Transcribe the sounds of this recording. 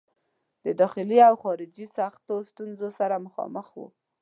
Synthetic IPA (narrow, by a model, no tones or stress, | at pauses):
d̪əd̪ɑxɪliawxɑɾɪd͡ʒisaxt̪ost̪unzosaɾaməxɑ̰məxwṵ